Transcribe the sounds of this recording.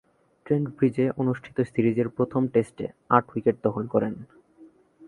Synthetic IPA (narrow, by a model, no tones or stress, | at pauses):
ʈɾeɳɖbɾid͡ʑeʔonuʃʈʰi̥t̪osiɾid͡ʑeɾpɾot̪ʰomʈesʈḛaʈʰwikeʈ̚d̪ɔxolkɔɾen